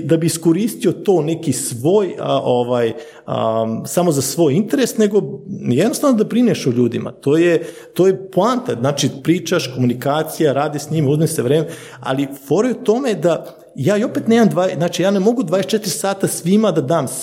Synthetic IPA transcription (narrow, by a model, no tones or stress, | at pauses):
d̪abiisko̞ɾiːst̪iot̪o̞ːne̞kisʋo̞ːjʔoʋaːj | ə̰samo̞zasʋo̞ːjint̪eɾesne̞ɡo̞jed̪nost̪aːʋnod̪abɾineʃoʎuːd̪ima̰t̪oːje | t̪oːjeplaːnt̪aznaːt͡ʃipɾiːt͡ʃaʃko̞munikaːt̪sijaɾaːd̪iʃsɲimuzmaseʋɾeːme | a̰lifoɾojot̪o̞me̞d̪a | jaːjo̞peːt̪neːmamd̪ʋaːdznaːt͡ʃijaːnemo̞ɡud̪vaːeet͡ʃet̪iɾʲsaːt̪asʋimad̪ad̪aːms